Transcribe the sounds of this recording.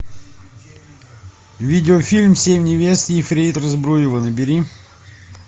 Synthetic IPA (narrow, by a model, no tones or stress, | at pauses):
vʲidʲɪofʲilʲmsʲemʲnʲɪvʲest̪ʲːfɾʲejt̪rɐzbɾujɪvənəbʲɪɾʲi